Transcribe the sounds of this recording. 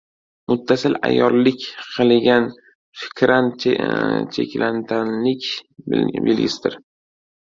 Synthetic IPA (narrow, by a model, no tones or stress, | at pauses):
mʊt̪ʰːasɪla̰jɒllɪkʲqʰɨlˠɡʲan | fɪ̥kʲʰɾan | t͡ʃʰḛkʲlʔant̪ʰanlɪkʲ | bɪ̰lɡʲɪ̰sɪd̪ɪɾ